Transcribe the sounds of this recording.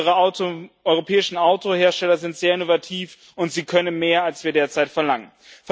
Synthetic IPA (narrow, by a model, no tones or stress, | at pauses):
ʁə | ɔʏʁopʰɛːɪʃn̩aʊtʰoheːɐʃtɛlɐzɪntz̥eːɐɪnovatʰiːf | ʔʊntz̥iːkʰœnənmeːɐalsv̥iːɐdeːɐt͡saɪtfɛɐlaŋən | f